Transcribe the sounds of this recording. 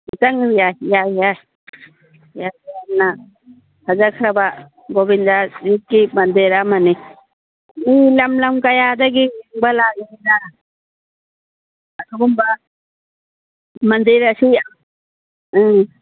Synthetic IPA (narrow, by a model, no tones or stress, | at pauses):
itaŋɾijajaja | jaamna | hazakʰaɾaba | ɡɔbindazit̚kimand̪iɾamani | milamlamkajad̪aɡiŋbalaiina | asʰɔɡumba | mand̪iɾasia